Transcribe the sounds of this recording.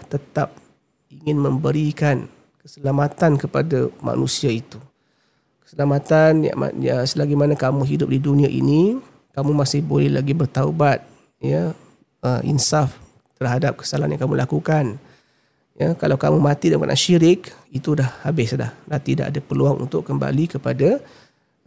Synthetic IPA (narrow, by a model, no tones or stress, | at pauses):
t̪ət̪ap̚ | iŋɪnməmbəɾikan | kəsəlamat̪ankəpadamʔa̰nusiait̪u | kə̥səlamat̪anja̰ma̰əsəlaɡimanakamũɦidʊp̚diduniaʔḭni | kamumasɪhbolɛhla̰ɡibərt̪aubat̪̚ | ja | əḭnsaf | t̪ərɦadap̚kə̥sala̰njãŋkamulʔakukan | jakalawkamumãt̪idəpa̰nʔa̰nʃiɾɪkit̪udahabɪsda̰hnant̪ida̰ʔadapəluaŋʔṵnt̪ʊʔkːəmba̰likəpada